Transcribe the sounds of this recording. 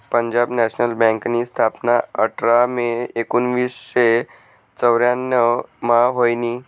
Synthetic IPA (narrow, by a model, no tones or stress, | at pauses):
pəɲd͡ʑabnɛɕnəlbɛ̃ŋknist̪ʰapnaəʈʰɾameekunʋisɕe | t͡səʋɾjanːəmaɦojniː